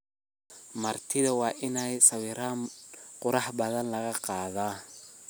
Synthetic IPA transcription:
mɐrt̪ʰɪðɐwɑːʔɪnɛjsɐwiːɾaːnqʊɾɑħbɐðɐnlɐɣɐqɑːðaː

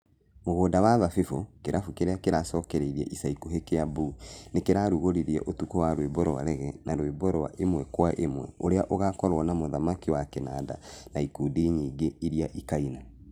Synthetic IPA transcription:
moɣoːdawaðafefokeɾafokeɾeakeɾasɔːkɛɾeiɾiɛ̰ʔisaikuɦekejabunekeɾaɾuɣoɾiɾiɛ̰ʔotukɔwaɾwebɔɾɔwa̰ɾɛɣɛnʔaɾwebɔɾɔwa̰ʔemwɛkwaʔemwɛ̰oɾeaʔoɣakɔɾwɔnamoðamakiwakɛnada̰naikuːdiɲiːɡeiɾiaʔikaina

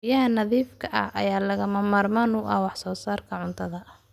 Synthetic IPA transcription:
jɐɦɐnɐðiːfkʰɐʔɐ̰hɐ̰jaːlɐɣɐmɐmaːrmaːnuːʔɐ̰wɑħsɔːsaːrkʰɐʕʊnt̪ʰɐðɐ

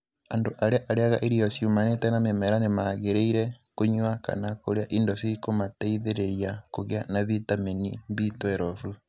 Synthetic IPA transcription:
andoʔaɾeaʔaɾeaɣaʔeɾiɔsjumanetɛnamemɛɾanemaɣeɾeiɾɛkoɲwaka̰nakoɾeaʔindɔsiikomatɛiðeɾeɾjakoɣeanaβitamenimβitwɛɾɔfu

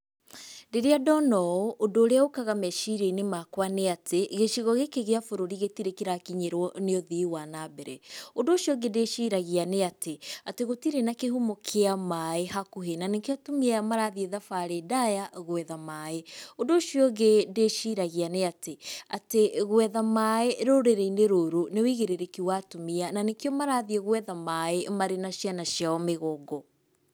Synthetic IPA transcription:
ndeɾeadɔnɔʔodoːɾeaokaɣamɛʃiɾeinemakwaneatʰeɣeʃiɣɔɣekeɣeafoɾoɾiɣetiɾekeɾakiɲeɾwɔneoðiwanabɛɾɛondoːʃjɔɡedeʃiɾaɣianeateateɣotiɾenakehumokʰeamaehakuɦenanekjɔtomiamaɾaðieðafaɾedajaɣwɛðamaeondoʃjɔɡedeʃiɾaɣianeatea̰teɣwɛðamaeɾoɾeɾeineɾoɾonewiɣeɾeɾekiwatomiananekjɔmaɾaːðieɣwɛðamaemaɾenaʃianaʃiaɔmeɣɔːɡɔ

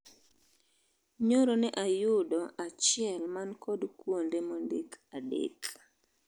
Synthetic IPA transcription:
ɲoɾonɛʔajʊdɔʔat͡ʃɪɛlmankɔdkwondemondekadḛk

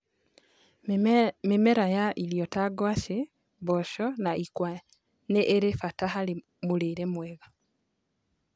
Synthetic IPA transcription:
mimeɾajaʔiljotaɡwaʃi | βoʃonaʔikwa | neʔːɾefatahali | muliɾemweɣa

